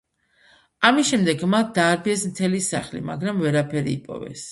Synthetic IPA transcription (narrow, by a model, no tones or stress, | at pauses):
amisʃɛmd̪ɛɡmat̪̚d̪aːɾbiɛsmt̪ʰɛlisa̰χlḭma̰ɡɾamvɛɾapʰɛɾḭːpʼɔ̰vɛ̰s